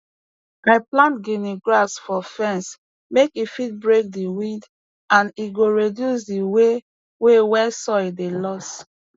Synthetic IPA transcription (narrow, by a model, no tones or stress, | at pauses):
aɪplãntɡiniɡɹasfɔfɛ̃ns | mekifit̚bɹek̚diwĩnd | ãniɡoɹidjus̬diwe | wewɛsɔidelɔst